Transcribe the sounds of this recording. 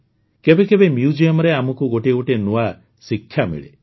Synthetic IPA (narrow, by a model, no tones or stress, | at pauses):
kebekebemjud͡ʒijɔmɔɾeamɔkuɡoʈeuʈenua | sikʰjamḭɭḛ